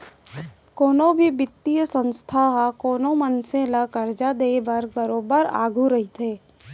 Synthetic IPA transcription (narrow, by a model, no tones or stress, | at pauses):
koːnõbʱibɪt̪ːijəsə̃nst̪ʰaɦakoːnomənsẽlakɐɾd͡ʒad̪eːʋɐɾbəɾoːbəɾa̰ːɡʱuɾɐɦit̪ʰeː